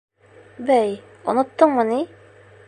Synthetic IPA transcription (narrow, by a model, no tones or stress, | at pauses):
bæj | ŏnɤ̆t̪ːɤɴmɤni